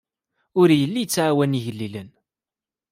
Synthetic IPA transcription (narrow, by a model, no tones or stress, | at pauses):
ʊɾjəlːit͡sːʕawæniʝəlːilən